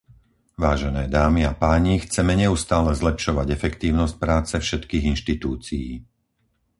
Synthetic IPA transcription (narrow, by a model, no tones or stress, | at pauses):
ʋaːʒɛnɛːd̪aːmiapaːɲixt͡sɛmɛɲɛust̪aːlɛzlɛpʃɔʋaɟɛfɛkt̪iːʊnɔsc̚pɾaːt͡sɛfʃɛt̪kiːɣinʃt̪it̪uːt͡sijiː